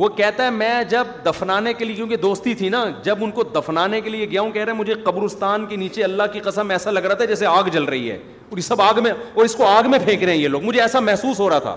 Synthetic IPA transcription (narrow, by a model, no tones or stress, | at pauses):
ʋokɛɦt̪aɦɛmɛ̃ːd͡ʒɐb̚d̪ɐfnaːnekeliekjõːkid̪oːst̪it̪ʰinad͡ʒɐbʊnkod̪ɐfnaːnekelieɡɪjaːũkɛɦɾeɛ̃mʊd͡ʒʱeqɐbɾʊst̪aːnkeniːt͡ʃeɐlːaɦkiqɐsəmɛːsalɐɡɾaɦat̪aɦɛd͡ʒɛːseaːɡd͡ʒɐlɾɐɦḭɦɛ̰ː | sɐbaːɡmẽɔːɾɪskoaːɡmẽpʰẽːkɾeɦɛ̃jeloːɡmʊd͡ʒʱeɛːsamɛɦsuːsɦoːɾɐat̪ʰa̰ː